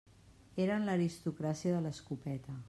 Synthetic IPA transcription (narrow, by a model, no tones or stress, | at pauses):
eɾənləɾist̪ukɾasiəðələskupɛt̪ə